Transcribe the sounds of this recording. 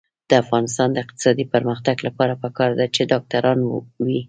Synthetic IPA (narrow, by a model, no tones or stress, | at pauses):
d̪̥əafɣɑnɪs̬t̪ɑnd̪əɪq̚t̪ɪ̥sɑd̪ipəɾməxt̪aɡlapɑɾapəkɑɾd̪at͡ʃed̪ɑk̚t̪aɾɑnwi